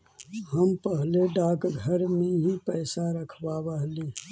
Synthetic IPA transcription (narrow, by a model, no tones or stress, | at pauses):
ɦəmpəɦleɖaːkɡʱəɾmẽɦipɛːsaɾəkʰbabəɦliː